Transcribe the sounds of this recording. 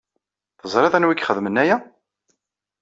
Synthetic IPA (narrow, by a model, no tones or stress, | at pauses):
θəzˤɾˤɪðænwikːχəðmənːæjæ